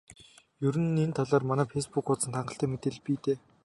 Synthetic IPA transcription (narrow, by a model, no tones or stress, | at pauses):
jɵɾɘ̆nent̪ʰaɮaːrmanæːfespukʊt͡sə̆nt̪ʰaɴɢə̆ɬt̪æːmet̪ĕɮpiːt̪eː